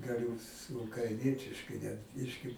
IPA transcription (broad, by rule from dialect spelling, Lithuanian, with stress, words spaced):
ɡɐˈlʲʊ sʊ ʊkrɐɪˈnʲiɛtʲɪʃkɐɪ nʲɛt ˈbʲɪʃʲkʲɪ